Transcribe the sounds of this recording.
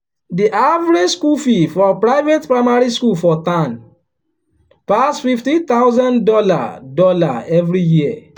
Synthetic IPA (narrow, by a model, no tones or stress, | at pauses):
diʔavɾed͡ʒskufifɔpɹaɪvetpɹaɪmaɹiskulfɔtãn | pasfiftĩt̪awzãndɔla̰dɔla̰ɛvɾijiɛ